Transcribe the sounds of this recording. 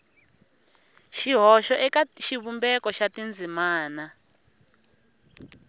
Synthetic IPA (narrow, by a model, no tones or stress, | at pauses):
ʃiɦɔʃɔʔɛkaʃiβumbɛkɔʃatind͡zʱimaːna